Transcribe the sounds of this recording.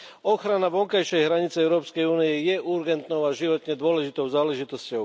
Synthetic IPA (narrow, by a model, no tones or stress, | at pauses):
ɔxɾanaʋɔŋkajʃɛjɦɾaɲit͡sɛɛʊɾɔːpskɛjuːnijɛjɛʔuɾɡɛnt̪nɔʊaʒiʋɔt̪ɲɛd̪ʊɔlɛʒit̪ɔʊzaːlɛʒit̪ɔscɔʊ